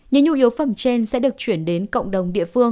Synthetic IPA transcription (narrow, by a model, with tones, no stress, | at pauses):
ɲɨ̰˧˥ŋɲṵ˧ʔi˨˦əwwfə˧˩mt͡ɕe˧nsɛ̰˧˥ɗɨ˨˩ək̚t͡ɕwi˧˩ənɗe˨˦nkə̰˧˨wŋ͡mɗə˨˩wŋ͡mɗḭ˧˨əfɨ˧əŋ